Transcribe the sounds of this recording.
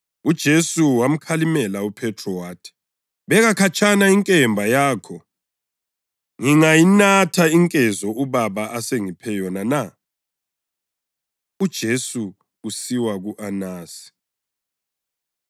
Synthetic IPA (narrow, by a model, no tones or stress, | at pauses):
ud̥ʒ̥ʱesuwam̩kʰalimɛlaupʰɛtʰrɔwaːtʰi̥ | βɛɣakʰat͡ʃʼʰanaiŋkʼɛmbʱajaːkʰɔ | ŋiŋajinatʰaiŋkʼɛzɔʔuβaβaʔaseŋipʰɛjɔnana | ud̥ʒ̥ʱesuː | siwaɣuʔanaːsi̥